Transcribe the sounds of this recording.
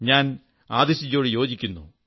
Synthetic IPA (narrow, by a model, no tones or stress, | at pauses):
ɲaːn | aːd̪eɕit͡ɕːo̞ːɽɨjo̞ːd͡ʑikʲːunːṵ